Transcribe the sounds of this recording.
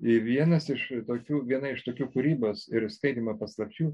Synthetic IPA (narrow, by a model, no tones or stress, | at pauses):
ɪʋʲiɛnɐsɪʃt̪oːkʲuːʋʲiɛnɐɪʃt̪oːkʲuːkuːɾʲiːboːsɪɾskɐɪd̪ʲimɐpɐslˠɐpʲt͡ʃʲuː